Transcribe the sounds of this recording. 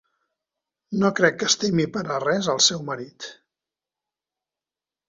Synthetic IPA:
nokɾɛkːəst̪emipəɾərɛzəlˠsɛwməɾit̪

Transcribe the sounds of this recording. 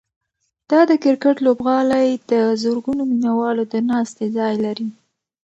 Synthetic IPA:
d̪̥ɑd̪əkɪɾkaʈlobɣɑlajd̪əzoɾɡunominawɑlod̪ənɑst̪ezɑjlaɾi

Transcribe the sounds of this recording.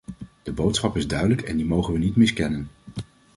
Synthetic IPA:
d̥əbowtsχɑpɪzdœɥdələkɛ̰ndimowχənʋənitmɪskɛnən

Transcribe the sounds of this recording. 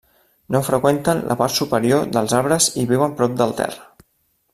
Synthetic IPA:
nofɾəkwent̪ənlʔə̰paɾt̪supəɾioðəlˠzaβɾəziβiwəmpɾɔp̚d̪əlˠt̪ɛ̰rə

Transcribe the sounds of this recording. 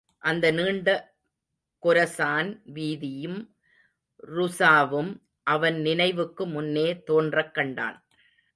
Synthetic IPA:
ʔɐnd̪ɐniːɳɖɐ | kʊɾɐsaːnʋiːðɪjɯm | ɾʊsaːʋɯm | ʔɐʋɐnnɪnɐɪʋɯkːɯmʊnːeːt̪oːndrɐkːɐɳɖa̰ːn

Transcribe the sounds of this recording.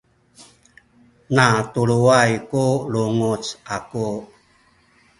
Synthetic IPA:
natuɭuajkuluŋut͡saku

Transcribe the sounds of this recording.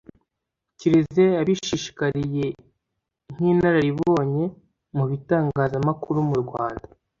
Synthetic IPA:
ciɾizze̞aβiʃiʃi̥kaɾije̞ | ŋ̥iːnaɾaɾiβo̞ːɲe̞ | muβitaːŋɡaːzamakuɾumuɾɡwaːnda

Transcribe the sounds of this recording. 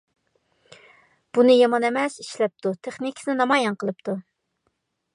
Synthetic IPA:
b̥unɨjɑmɑnɛmɛsiʃlɛp̚t̪ʰut̪ʰeχnikʲʰi̥snɨnɑmɑjɑnqəlˠɨpt̪ʰu

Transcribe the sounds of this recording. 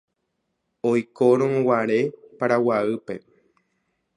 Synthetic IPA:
ojkoɾ̃õwaɾe̞paɾawaɨpe̞

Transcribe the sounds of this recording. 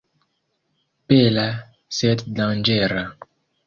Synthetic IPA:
pela | sɛt̪dãnd͡ʒɛɾa

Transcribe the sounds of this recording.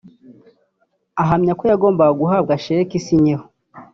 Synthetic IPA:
aɦamɲakojaɡo̞ːmbaɡuɦab̚ɡaʃeɾekisiɲeho

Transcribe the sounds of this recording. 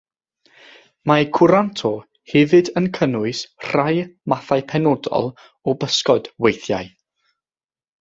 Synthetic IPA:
makʰʊɾantʰɔ | hɛvɨdənkʰənʊɨsr̥ajmaθajpʰɛnɔdɔ̰lˠ | ɔbəskɔd̥wejθja̰j

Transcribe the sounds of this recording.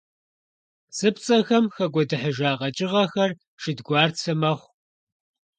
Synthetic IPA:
sɨpt͡sʼɐxɐmxɐɡʷɔdɨħəʒaːʁɐt͡ʃʼɪʁɐxɐr | ʃɨdɡʷɑːrt͡sʰɐmɐχʷ

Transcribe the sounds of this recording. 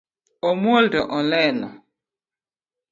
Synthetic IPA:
ɔmoldɔʔɔlɛna̰

